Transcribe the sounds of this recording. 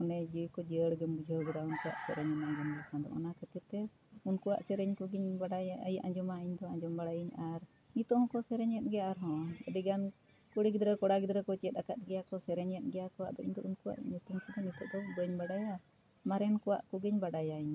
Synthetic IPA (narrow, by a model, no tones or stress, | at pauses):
kɔnɛd͡ʒiwkɔd͡ʒəəɽɡəmɡud͡ʒʱəɡɛd̪aunkuwa̰ʔsɛɾɛɲɔnaɡɛnɡɛkãd̪ɔ̰ʔɔ̰nakət̪ɛp̚t̪ɛ | unkuwa̰ʔsɛɾɛɲkɔɡiɲbaɖajjaʔad͡ʒɔmaiɲd̪ɔaɲd͡ʒɔmbaɽajiɲaɾ | nit̪ɔʔhɔ̃kɔsɛɾɛɲɛt̪̚ɡɛjaʔaɾɦɔ̃əɖiɡan | kuɽiɡid̪ɾɛkɔɽaɡid̪ɾɛkɔt͡ʃɛt̪̚akat̪̚ˀɡɛjakɔsɛɾɛɲɛt̪̚ɡɛjakɔwa̰ʔd̪ɔʔiɲd̪ɔʔunkuwa̰ʔɲːut̪umkɔd̪ɔnit̪ɔʔd̪ɔbəɲbaɖaja | maɾɛnkɔwa̰ʔkɔɡiɲbaɖajaiɲ